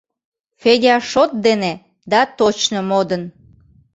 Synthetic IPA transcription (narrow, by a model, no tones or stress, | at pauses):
feɡʲɑʃot̪̚d̪ene | d̪ɑt̪ot͡ɕnomod̪ən